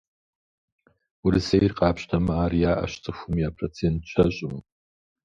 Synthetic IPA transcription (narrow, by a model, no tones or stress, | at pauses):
wurɨsejrqʼaːpʰʃtʰamaːrjaʔa̰ʃt͡sʼɨxʷumiapʰrot͡sʰentʰt͡ʃʷʰaɕʼʊm